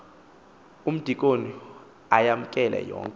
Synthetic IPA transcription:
um̩d̥ʱikʼoni | ajam̩kʼɛlʔɛ̰jɔ̰ːŋkʼɛ

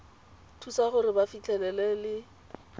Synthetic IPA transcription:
tʰusaχʊɾɪbafit͡ɬʰʼɛlɛlɛlɪ

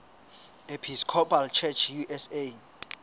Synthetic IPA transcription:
epʰiskʰɔpʰʼalt͡ʃʰɛt͡ʃʰjuʔɛse

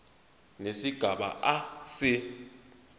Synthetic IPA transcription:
nesiɡ̥ʱaɓa̰ʔasɪ

